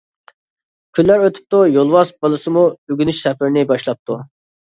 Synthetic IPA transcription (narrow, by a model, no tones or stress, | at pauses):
kʲʰylːæɾøt̪ʰy̥p̚t̪ujolˠwɑsbɑlˠɨsɨmuøɡʲynyʃsɛpɪɾnɪbɑʃlˠɑp̚t̪ʰu